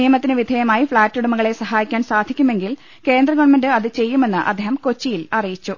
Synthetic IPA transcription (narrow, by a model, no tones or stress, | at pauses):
ijɐmɐt̪ːinɨʋid̪ʱɐjɐmaːjifɭaːtːuɽumɐɣɐɭesɐɦaːjikʲːaːnsaːd̪ʱikʲːume̞ŋɡil | ke̞ːnd̪rɐɣɐʋɐnmendɨɐðɨt͡ɕe̞jːume̞nːɨʔɐ̰d̪ʱːeːɦɐmko̞t͡ɕːijilɐrijit͡ɕːu